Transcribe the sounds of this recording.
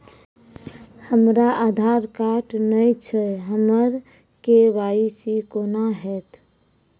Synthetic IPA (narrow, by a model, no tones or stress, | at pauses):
həmɾaad̪ʱaɾkaʈnəjt͡ʃʰəɦəməɾ | kebaisikoːnaɦɛːt̪